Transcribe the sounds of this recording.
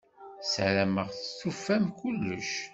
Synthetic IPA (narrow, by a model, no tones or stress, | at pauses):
sæɾæməʁθəθufːæmkulːə̰ʃ